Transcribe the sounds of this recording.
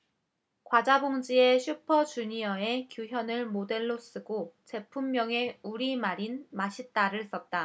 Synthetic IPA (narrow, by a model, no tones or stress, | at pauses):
kwad͡ʑaboŋd͡ʑie̞ɕʰupʰʌt͡ɕuɲiʌe̞kjuçjʌnɯɭmode̞ɭːos͈ɯɡot͡ɕe̞pʰumːjʌŋe̞uɾimaɾinmaɕʰit̚t͈aɾɯɭs͈ʌt̚t͈a